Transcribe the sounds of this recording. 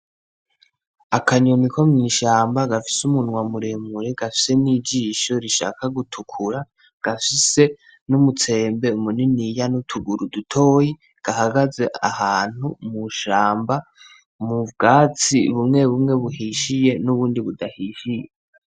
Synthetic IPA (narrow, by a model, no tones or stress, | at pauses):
akʰaɲonikʰo̞mŋiːʃaːmbaɡafi̥sumunŋwamuɾemuɾeɡ̥afi̥se̞niːd͡ʒiːʃo̞ɾiʃa̰ːkaɡutʰukʰuɾa | ɡ̥afise̞ | numut͡se̞ːmbe̞umuninijanutʰuɡuɾudutʰo̞ːji | ɡ̥ahaɡaze̞ʔahaːn̥humuʃaːmba | muvɡaːt͡siβumŋe̞βumŋe̞βuhiʃije̞nuβuːndiβudahiːʃije